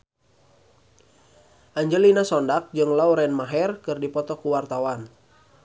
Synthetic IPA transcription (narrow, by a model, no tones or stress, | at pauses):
ʔaɲd͡ʒəlinasɔndak̚d͡ʒɨŋlauɾɛnmaɦɛrkɨrdipɔt̪ɔkuwart̪awan